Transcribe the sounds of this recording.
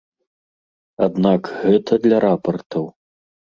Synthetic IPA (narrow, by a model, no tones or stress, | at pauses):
ad̪nakɣɛt̪ʰɐd̪lʲɐɾapɐrt̪ɐw